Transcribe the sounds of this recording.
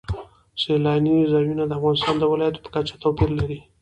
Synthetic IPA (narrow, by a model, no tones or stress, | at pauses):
selɑnizɑjunad̪əafɣɑnɪst̪ɑnd̪əwɪlɑjat̪o̥pə̥kat͡ʃḁt̪owpiɾlaɾi